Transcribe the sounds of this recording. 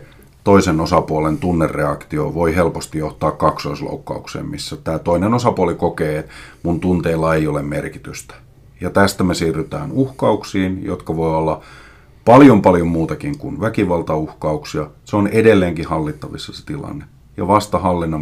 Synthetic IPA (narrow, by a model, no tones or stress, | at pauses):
t̪oisenosɑpuolent̪unːerːeɑkt̪io̰ʋoiɦelpost̪ijoht̪ɑːkkɑksoislo̰ukːɑ̰uksḛːmmisːæt̪æːt̪oinenosɑpuolikokeːmunt̪unt̪eːlːɑeijolemmerki̥t̪yst̪æ̥ | jɑt̪æst̪æmesiːrːyt̪æ̰ːnuhkɑuksiːnjo̰t̪kɑʋoiolːɑ | pɑljompɑljommuːt̪ɑkiŋkunʋækiʋɑlt̪ɑuhkɑuksiɑseonedelːeːŋkihɑlːit̪ːɑʋisːɑse̥t̪ilɑ̰nːe | jɑ̰ʋɑst̪ɑhɑlːinːɑ